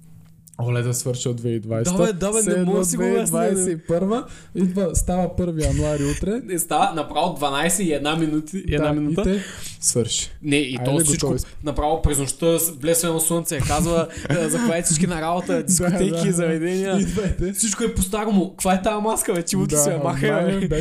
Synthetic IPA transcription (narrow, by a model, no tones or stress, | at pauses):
olɛd̪ɐsvɤɾʃiovɛid̪vajsɛabɛd̪abɛnɛmɔivud̪vajssɛɛipəɾvə | id̪vəst̪avəpɤɾvijɐnuaɾiut̪ɾɛnɛst̪avɐnɐpɾavod̪vɐnajsɛiɛd̪naminut̪iɛd̪naminut̪ət̪ɛsvɤɾʃi̥nɛiɔsit͡ʃkonɐpɾavopɾɛznʊʃt̪əblɛsvɛnɐsunt̪sɛkazvəzɐkvaɛfsit͡ʃkinɐɾabot̪əd̪iskʊt̪ɛjk̪iːzɐvɛd̪ɛniəid̪vɐt̪ɛfsit͡ʃkʊɛpost̪aɾomʊkɐkvaɛt̪aɐmaskəvɛt̪imot̪sɛɐmaxb